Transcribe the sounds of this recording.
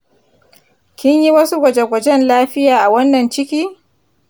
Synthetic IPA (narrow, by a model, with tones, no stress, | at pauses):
kʲɪ˦ɲji˦wɐ˦su˦ɡʷɐ˨d͡ʒe˨ɡʷɐ˨d͡ʒɛ˦nlaː˦ɸɪ˦jaː˨ʔa˨wɐ˦nːɐ˨nt͡ʃɪ˦kʲiː˦